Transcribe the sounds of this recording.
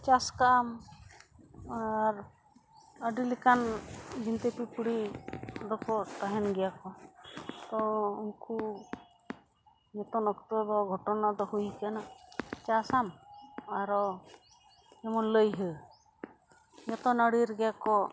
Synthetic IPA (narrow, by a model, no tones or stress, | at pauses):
t͡ʃaskaam | aɾ | əɖilikanbint̪epipɽiɾɔkɔt̪aɦɛnɡɛjakɔ | t̪ɔunku | ɲɔt̪ɔnɔkt̪ɔd̪ɔɡʱɔʈɔnad̪ɔɦujkanat͡ʃasamaɾɔ | ɛmɔnləjɦə | ɲɔt̪ɔnəɽiɾɡɛjakɔ